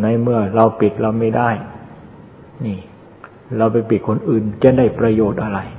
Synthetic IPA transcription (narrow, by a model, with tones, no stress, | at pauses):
na˦˥˩mɯ˥˩ɐɾa˧wpi˨˩t̪̚ɾa˧wma˥˩jdaː˥˩j | niː˥˩ | ɾa˧wpa˧jpi˨˩t̪̚kʰo˧nʔɯː˨˩nt͡ɕaː˥˩daː˥˩jpɾa˧joː˨˩t̪̚ʔa˧ɾa˧j